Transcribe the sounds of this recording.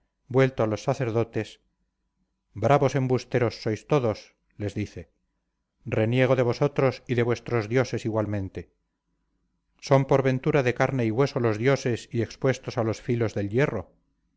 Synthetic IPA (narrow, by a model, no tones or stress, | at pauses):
bwe̞lt̪oalosːaθe̞ɾðo̞t̪e̞s | bɾʔaβo̞se̞mbust̪eɾo̞sːo̞jst̪o̞ðo̞s | le̞zðiθe̞ | re̞nje̞ɣ̞o̞ðe̞β̞o̞so̞t̪ɾo̞siðe̞βwe̞st̪ɾo̞zðjo̞se̞siɣwalmẽnt̪e̞ | so̞mpoɾβe̞nt̪uɾaðe̞kaɾne̞iɣwe̞so̞lo̞zðjo̞se̞sie̞kspwest̪o̞salo̞sfilo̞zðe̞lje̞ro̞̰